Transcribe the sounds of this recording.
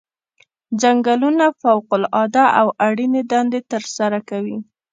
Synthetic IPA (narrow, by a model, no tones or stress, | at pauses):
d͡ʒaŋɡalunafawqʊlɑd̪aʔawʔaɽined̪ɑnd̪et̪əɾsaɾakawi